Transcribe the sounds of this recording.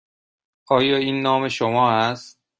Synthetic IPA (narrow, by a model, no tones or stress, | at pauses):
ʔɒːjɒːiːnːɒːme̞ʃomɒːæst̪̚